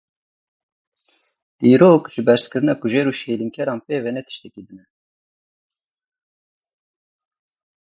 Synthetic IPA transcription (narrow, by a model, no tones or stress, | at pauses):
d̪̥iːɾoːkʒɨbɛɾskɨɾɨnɑːkuʒeɾuːʃejliŋkʰɛɾɑːnpeːvɛnɛt̪ʰɨ̥ʃt̪ɛkid̪ɨnɛ